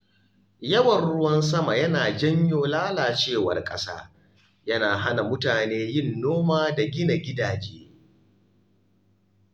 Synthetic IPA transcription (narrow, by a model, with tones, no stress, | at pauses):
jɐ˦wɐ˨rɽʊ˦wɐ˦ns̬ɐ˦ma˨jɐ˦naː˨d͡ʒɐ˦ɲjoː˦laː˦laː˨t͡ʃeː˦˨wɐ̰˨rkʼɐ̰˦sa̰ː˦ | jɐ˦naː˨ɦa˦na˨mʊ˦taː˨neː˦jɪ˦nːoː˦maː˦da˨ɡʲɪ˦na˨ɡʲɪ˦daː˨d͡ʒeː˦